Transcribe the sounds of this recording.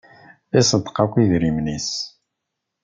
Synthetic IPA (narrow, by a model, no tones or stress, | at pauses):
isˤət̪ːqakʷːiðɾimnis